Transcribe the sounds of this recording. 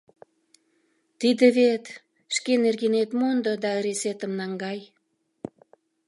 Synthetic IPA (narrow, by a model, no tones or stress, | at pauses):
t̪id̪eβet̪ | ʃkenerɣenet̪mond̪ŏd̪ɑəɾeset̪əmnɑŋɡɑj